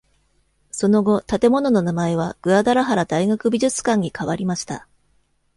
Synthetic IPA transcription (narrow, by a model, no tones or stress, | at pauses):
so̞no̞ɡo̞t̪at̪e̞mo̞no̞no̞namae̞β̞aɡ̥ɯ̟ad̪aɾaɦaɾad̪aiɡakɯ̟bʲiʑɨt͡sɨ̥kãɲ̟ːikaβaɾʲimaɕi̥t̪a̰